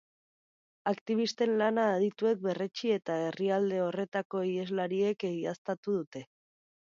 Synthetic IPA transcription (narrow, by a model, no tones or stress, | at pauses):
akt̪iβ̞ist̪e̞nlanaːð̞it̪ue̞k̚be̞ret͡ʃie̞t̪ae̞riald̪e̞o̞re̞t̪ako̞ie̞zlaɾie̞keɣiast̪at̪uðut̪e̞